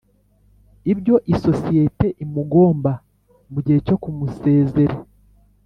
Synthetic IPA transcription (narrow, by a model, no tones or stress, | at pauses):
ibjo̞ʔiso̞sijete̞ʔimuɡo̞ːmba | βuɾɟeco̞kumuse̞ːze̞ɾe